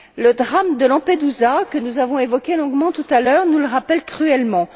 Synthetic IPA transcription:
ləd̪ʁamd̪əlɑ̃ped̪uzakənuzavɔ̃evɔkʲelɔ̃ɡmɑ̃t̪ut̪alœʁnuləʁapɛlkχyɛlmɑ̃

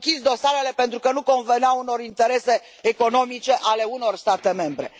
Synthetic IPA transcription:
kʲisd̪o̞saɾe̞le̞pe̞nt̪ɾukənuko̞nveneauno̞ɾint̪e̞ɾe̞se̞ː | ko̞no̞mit͡ʃe̞ʔale̞uno̞rst̪at̪e̞me̞mbɾe̞̰

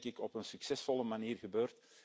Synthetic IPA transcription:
kɪkɔpənsyksɛsfɔləmaniːrɣəbøːrt

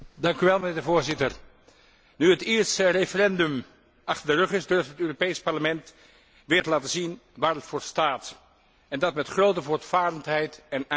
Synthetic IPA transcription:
dɑŋkyʋɛlˠmənɪːɹdəvoːɹzɪtəɹ | nyətɪːɹsərefərɛndɵm | ʔɑχtəɹdərɵχɪzdɵɹftɦətøːropejspɑɹləmɛnt | ʋɪːɹtəlaːtəzinʋaːɹətfʊːɹstaːt | ɛndɑtmɛtχrowtəvoːɹtfaːɾəntɦɛjtɛn

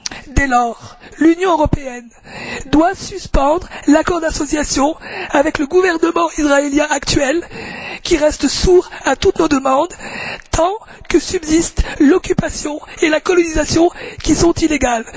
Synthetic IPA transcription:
d̪elɔʁlynjɔ̃øʁɔpeɛn | d̪wasyspɑ̃d̪ʁlakɔʁd̪asɔsjasjɔ̃avɛkləɡuvɛʁnəmɑ̃isʁaeljɛ̃akt̪ɥɛlkʲiʁɛst̪suʁat̪ut̪nod̪əmɑ̃d̪t̪ʰɑ̃ | kəsybzist̪lɔkʲypasjɔ̃elakɔlɔnizasjɔ̃kʲisɔ̃t̪ileɡal

